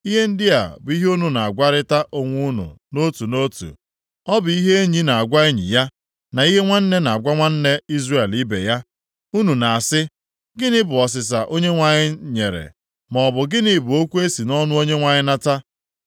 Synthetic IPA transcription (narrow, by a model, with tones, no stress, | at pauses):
i˦ɦe˦n̩˦dɪ˦a̰˨bʊ˨i˦ɦe˦o˦nu˨na˨a˨ɡʷa˦ɾɪ˦ta˦ʔo˨ŋʷu˦nṵ˨no˦tu˨no˦tṵ˨ | ɔ˦bʊ˨i˦ɦe˦e˦ɲi˦na˨a˨ɡʷa˦e˦ɲḭ˨ja˦ | na˨i˦ɦe˦ŋʷa˦n̩˦ne˦na˨a˨ɡʷa˦ŋʷa˦n̩˦ne˦i˦zre˦e˨li˦bḛ˨ja˦ | u˦nu˨na˨a˨sɪ˦ | ɡɪ˦nɪ˦bʊ˨ɔ˨s̬ɪ˨s̬a˨ʔo˦ɲe˦ŋʷa˨ɲɪ˦ɲe˨ɾḛ˨ | mɔ˨bʊ˨ɡɪ˦nɪ˨bʊ˨o˦kʷu˦e˦si˨nɔ˦nʊ˦o˦ɲe˦ŋʷa˨ɲɪ˦na˦ta˦